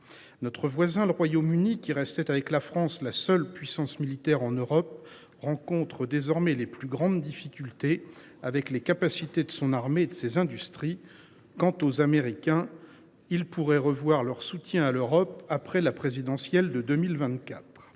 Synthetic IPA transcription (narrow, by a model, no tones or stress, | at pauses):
nɔt̪χəvwazɛ̃ləʁwajomynikʲiʁɛst̪ɛt̪avɛklafχɑ̃slasœlpɥisɑ̃smilit̪ɛʁɑ̃nøʁɔp̚ | ʁɑ̃kɔ̃t̪χəd̪ezɔʁmɛleplyɡʁɑ̃d̪d̪ifikʲylt̪e | avɛklekapasit̪ed̪əsɔ̃naʁmeːd̪əsezɛ̃d̪yst̪χi | kɑ̃t̪ozameʁikʲɛ̃ | ilpuʁɛʁəvwaʁlœʁsut̪jɛ̃aløʁɔpapχɛlapχezid̪ɑ̃sjɛld̪əd̪ømilvɛ̃t̪kʲat̪χ